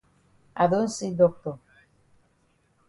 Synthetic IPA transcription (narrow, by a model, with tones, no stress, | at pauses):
a̰˨ðo˦nsi˦d̪o˦˨k̚t̪o˨